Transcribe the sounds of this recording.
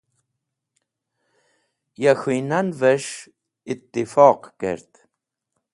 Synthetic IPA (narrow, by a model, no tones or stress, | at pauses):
jaxinanvɛʃ | ɪt̪ːɪfɑːqkɛ̰ɾt̪